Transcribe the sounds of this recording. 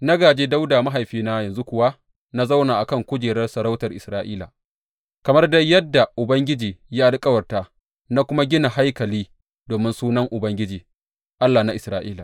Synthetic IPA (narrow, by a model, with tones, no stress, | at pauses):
na˦ɡaː˨d͡ʒeː˦da˦wdaː˨ma˦ɦa˨jɸiː˦naː˦jɐ˨nzu˦kʷʊ˨wa˦ | na˦za˦wnaː˨ʔa˨kɐ˦˨ŋkʷʊ˦d͡ʒeː˨ɽɐ˦rsɐ˨ɾa˦wtɐ˨rʔɪ˨sɾaː˦ʔiː˦la̰ː˨ | kɐ˨mɐ˦rdɐ˦jɐ˦dːa˨ʔʊ˨bɐ˦ŋɡʲɪ˦d͡ʒiː˨ja˦ʔa˨lkʼɐ˦wɐ˨rtaː˨ | na˦kʷʊ˦ma˦ɡʲɪ˦na˨ha˦jkɐ˨liː˦ | doː˨mɪ˦nsuː˦nɐ˦ŋʔʊ˨bɐ˦ŋɡʲɪ˦d͡ʒiː˨ | ʔa˦lːaː˨na˦ʔɪ˨sɾaː˦ʔiː˦laː˨